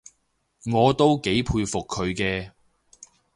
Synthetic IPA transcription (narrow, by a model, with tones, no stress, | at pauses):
ŋɔː˨˧t̪o˥wke˨˥jpʰuː˧jfʊ˨kʰːɵ˨˧ɥkɛː˧